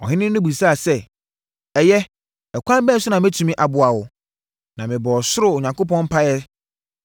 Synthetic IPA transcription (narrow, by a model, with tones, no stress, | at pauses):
ɔ̰˨ɦɪ̃˦nɪ̃˦nʊ̃˦bu˨sa˦˨sɛ˦˨ | ɛ˨jɛ˦ | ɛ˨kʷʰã˦m˦bɛ̃˦sʊ˦nã˨m˦æ˦tʰu˨mĩ˦ʔa˨bʊ˨a˨wʊ˨ | nã˨mɪ̃˨bɔ˨sʊ˦ɾʊ˨ʊ˨ɲã˨ŋko˦pɔ̃˦m̩˦pʰa˦jɛ˦